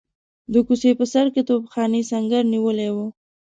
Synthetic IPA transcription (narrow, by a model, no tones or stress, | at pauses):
d̪əkusepəsaɾket̪obxɑnesaŋɡaɾniwəlewo